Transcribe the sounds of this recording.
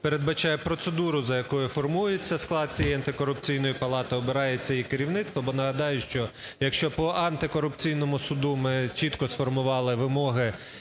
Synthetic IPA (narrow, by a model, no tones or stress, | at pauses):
peɾe̞d̪bɐt͡ʃɑjɛpɾɔt̪sed̪uɾʊzɐjɐkɔjʊfɔrmujet͡sʲːɐsklˠɑd̪̚t͡sʲijɛjɐnt̪ɪkɔɾʊp̚t͡sʲijnɔjʊpɐlˠɑt̪ɐɔbɪɾɑjet͡sʲːɐjikɪɾʲiwnɪt̪st̪ʋɔbɔnɐɦɐd̪ɑjʊʃt͡ʃɔ | jɐkʃt͡ʃɔpɔʔɐnt̪ɪkɔɾʊpt͡sʲijnɔmʊsʊd̪umɪt͡ʃit̪kɔsfɔrmʊʋɑlˠɪʋɪmɔɦɪ